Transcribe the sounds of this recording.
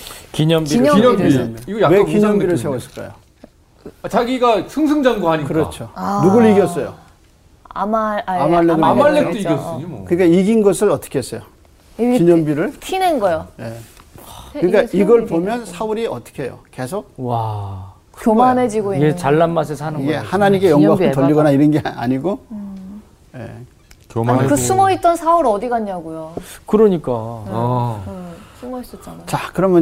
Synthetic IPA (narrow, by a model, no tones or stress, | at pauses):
kiɲʌmbiɲiɲmiiɡʌjawekiɲʌmbiɾɯɭsʰe̞wʌs͈ʰɯɭk͈a̰jo̰ | at͡ɕaɡiɡasʰɯŋsʰɯŋd͡ʑaŋɡoaɲikɯɾʌt͡ɕʰonuɡuiɡjʌs͈ʌjo̰ | a̰maamaɭːeɡɯamaɭːekt͈oiɡjʌs͈ɯɲimokɯɲik͈aiɡinɡʌsʰɯɾʌt͈ʌ̥kʰees͈ʌjo | kiɲʌmbiɾɯɭtʰinenɡʌjoje̞ | kɯɲik͈aiɡʌɭpomjʌnsʰauɾiʌt͈ʌ̥kʰejo̰ke̞sʰok̚wa | kjomaned͡ʑiɡoiɡet͡ɕaɭːanmas̬ʰesanɯniɡe̞hanaɲimk͈ejʌŋɡwaktʌʎːiɡʌnaiɾʌnɡea̰ɲiɡo | jḛ | kakɯsʰumʌit̚t͈ʌnsʰauɾʌdiɡaɲːaɡujokɯɾʌɲik͈a | sʰumʌis͈ʌt͡ɕ͈anat͡ɕakɯɾʌmjʌ